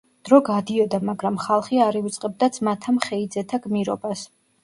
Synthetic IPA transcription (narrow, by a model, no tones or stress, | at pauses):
d̪̥ɾɔɡad̪iɔd̪amaɡɾamχalˠχiaɾivit̪sʼqʼɛb̚d̪at̪sʰmat̪ʰamχɛid̪zɛt̪ʰaɡmiɾɔ̰bas